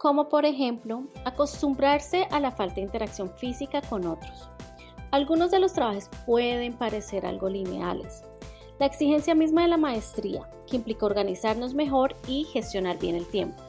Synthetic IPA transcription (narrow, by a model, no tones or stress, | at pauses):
ko̞mo̞po̞ɾe̞xe̞mplo̞ako̞st̪umbɾaɾse̞ʔalafalt̪aðint̪e̞ɾaksjo̞ɱfisikako̞no̞t̪ɾos | alɡuno̞zd̪e̞lo̞st̪ɾaβaxespwe̞ð̞e̞mpaɾe̞se̞ɾa̰lɡo̞line̞̰a̰le̞̰s | laeksixe̞nsjamizmaðelamaest̪ɾḭa̰ | keimplikaoɾɣanisaɾno̞zme̞xo̞ɾixe̞st̪jo̞naɾbje̞ne̞lt̪je̞̰mpo